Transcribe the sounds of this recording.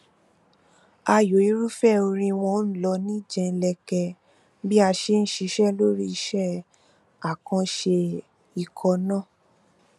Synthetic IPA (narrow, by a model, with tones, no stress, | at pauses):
a˧jo˨˦i˨˦ɾu˦fɛ˦˨o˧ɾ̃ĩ˧w̃ɔ̃˧˦n̩˦lɔ˧˦nĩ˦d͡ʒɛ̃˧lɛ˧kɛ˧ | bi˦a˧ʃe˦ñ̩˦ʃi˧ʃɛ˦lo˦ɾi˦i˧ʃɛ˦˨ | a˨kã˧ʃe˧ | i˨kʰɔ˧˦nãː˦˨